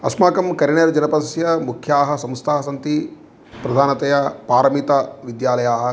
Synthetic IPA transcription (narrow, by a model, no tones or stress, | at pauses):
ɐ̰smaːkɐmkɐɾiɳɐɾɐd͡ʒɐnɐpɐsjɐmukʰjaːɦɐsɐmst̪ʰaːɐsɐnt̪i | pɾɐd̪ʱaːnɐt̪ɐjɐpaːɾɐmit̪ɐʋid̪jaːlɐjaːɦɐ̆